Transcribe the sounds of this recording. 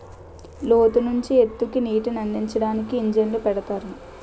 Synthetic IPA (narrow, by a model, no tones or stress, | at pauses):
loːt̪unuɲt͡ʃiet̪ːukiniːʈinɐɳːiɲt͡ʃɐɽaːnikiːɲd͡ʒɐnlupɛɽɐt̪aːɾu